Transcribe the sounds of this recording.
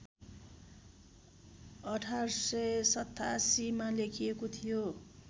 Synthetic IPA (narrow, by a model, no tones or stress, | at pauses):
ʌʈʰarsʌjsʌt̪ːasimalekʰijekot̪ʰijo